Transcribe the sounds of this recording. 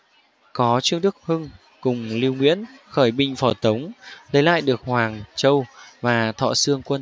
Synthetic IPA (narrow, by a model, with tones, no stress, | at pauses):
kɔ˨˦t͡ɕɨ˧əŋɗɨ˦˥k̚hɨ˧ŋ | kʊ˨˩ŋ͡mli˧wŋwḭ˧˥ənxəː˧˩jɓï˨ŋ̟fɔ˧˩t̪ə˨˦wŋ͡mlə˨˦jla̰ː˧˨jɗɨ˨˩ək̚hwaː˨˩ŋt͡ɕə˧wvaː˨˩t̪ʰɔ̰˧˨sɨ˧əŋkwə˧n